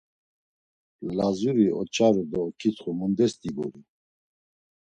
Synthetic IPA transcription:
lazuɾiʔɔt͡ʃʰaɾud̪ɔkʰit͡s̪χumund̪ɛst̪ibṵɾi

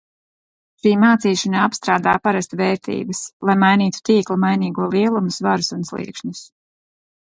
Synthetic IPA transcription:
ʃiːmaːt̪siːʃanaapst̪ɾaːd̪a̰ːpaɾast̪vɛːɾt̪ḭːbəslˠajmajniːt̪u̥t̪iːklˠamajniːɡuɔlˠiɛlˠumusvaɾusunslˠḭɛkʃɲus

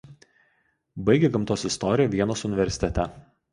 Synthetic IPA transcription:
bɐɪɡʲeɡɐmt̪oːsɪst̪ɔɾʲɪjɛːʋʲiɛnoːsʊnʲɪʋʲɛɾʲsʲɪ̥t̪ʲɛt̪ʲɛ

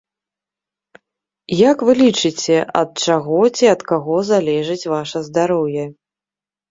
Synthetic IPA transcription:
jakvɨlʲit͡ʂɨt͡sʲɛʔɐ̰t̪̚t͡ʂaɣɔt͡sʲiɐt̪kaɣɔzalʲɛʐɨt͡sʲvaʂɐzd̪aɾɔwjɛ

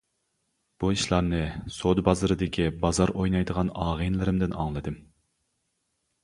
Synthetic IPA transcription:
b̥uiʃlˠɑɾnɨsod̪bɑzɨɾɨd̪ɪkʲʰibɑzɑɾojnɑjd̪əʁɑnɑːʁɨnlˠɪɾɪmd̪ɪnɑ̰ŋlˠɨd̪ɨm

